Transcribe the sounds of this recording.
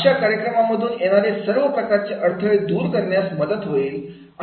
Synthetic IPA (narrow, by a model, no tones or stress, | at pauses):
ɕjakaɾjəkɾəmaməd̪ʱuːnjeɽ̃aɾesəɾʋəpɾəkaɾt͡ɕeʔəɾt̪ʰəɭed̪uːɾkəɾɳjasməd̪ət̪ɦoiːl | a